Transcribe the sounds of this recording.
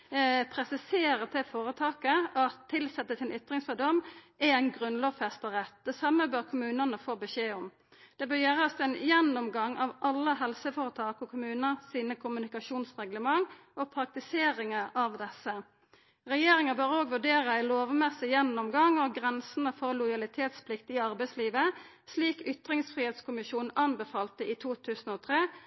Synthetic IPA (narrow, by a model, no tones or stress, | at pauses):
pʰɾɛsɪseːɾət̪ɛfoːɾət̪ʰɑːkəɑt̪ʰːɪlsɛt̪ːəsɪnʔʏt̪ʁɪŋsfɔd̪ɔmː | ææɪnɡʁʉnloːʋfɛst̪əʁɛt̪̚d̪̥ɛsɑmːəbøːʁkʰʊmʉːnənəfoːbəʃeːɔm | d̪̥ɛbœːʁjæːʁɑst̪ɛnjɛnːʊmɡɑŋːɑʋʔɑlːəɦɛlsəfɔːɾət̪ʰɑːkɔkʰʊmʉːnəʁsiːnəkʰʊmʉnɪkɑʃuːnsʁɛɡləmɑŋ | oːpʰʁɑk̚t̪ɪseːʁɪŋəɑʋd̪ɛsːə | ʁɛjeːʁɪŋəbøːʁoːɡʋʉɖeːʁəɪloːʋmɛsɪjɛnːɔmɡɑŋɔɡʁɛnsən̩əfɔʁlʊjɑlɪt̪ʰeːt̪spʰlɪkt̪ɪɑʁbɛɪsliːʋə | sliːkʏt̪ʁɪŋsfʁiːheːt̪skʊmɪʃuːnn̩ɑnbəfɑːlt̪əʔit̪ʰuːt̪ʰʉːsn̩oːt̪ʰʁeː